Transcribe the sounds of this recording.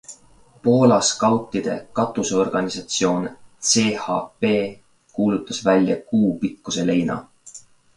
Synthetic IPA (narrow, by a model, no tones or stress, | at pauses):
po̞ːlɑskɑwt̪ːˑid̪̥e̞̰kɑt̪ːˑuseo̞rɡ̥ɑnisɑt̪sio̞ːnt̪se̞ːhɑpe̞ː | kuːlut̪ːˑɑsvælʲjɑkuːpikːuse̞le̞jnɑ̰